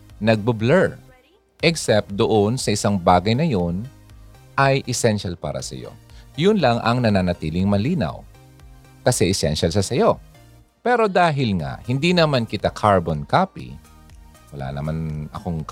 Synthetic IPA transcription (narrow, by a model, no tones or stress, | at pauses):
nɐɡ̚bʊblɛɹ | ʔɛksɛp̚t̪̚d̪oʔonsɐʔɪsaŋbaːɡɐjnɐjo̞n | ʔɐjʔɛsɛnʃalpa̰ːɾɐ̰sɐ̰jo̞̰jʊnlɐŋʔɐŋnɐnanɐt̪iːlɪŋmɐliːnɐ̰w | kɐsɛʔɛsɛnʃɐlʃɐsɐjo̞ | pɛɾo̞d̪aːɦɪlŋa̰ʔhɪnd̪inɐmankɪt̪akʰaɹbonkaːpḭ | wɐla̰ːnɐmanɐ̰koŋk